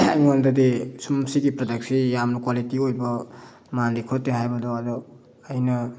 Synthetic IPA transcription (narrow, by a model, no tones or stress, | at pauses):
ajŋɔndɐdisumsiɡipɾɔdaksijamnukwalitiojbʌ | mandikʰɔtːeɦajbɐdɔadɔː | jnɐ